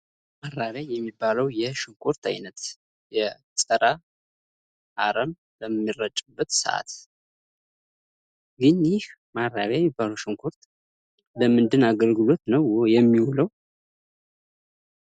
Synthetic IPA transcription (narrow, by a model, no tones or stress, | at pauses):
maɾːaβjajɛmːibːaləwjɛʃɨŋkʰoɾt̪ʰa̰jnət̪ | jɛ | sʼəɾa | ʔaɾəm | ləmːirət͡ʃʼɨbːət̪sə̰ʔa̰t̪ | ɡɨnjɪh | marːaβjajɛmːibːaləwʃɨŋkʰoɾt̪ | ləmɨnd̪ɨnaɡəlɡɨlo̞t̪nəwojɛmːiwuləw